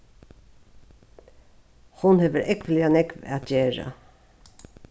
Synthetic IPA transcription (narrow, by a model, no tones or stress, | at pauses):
hʊnheːʋəɾʔɛkʋlɪanɛkʋæt̪jeːɹa̰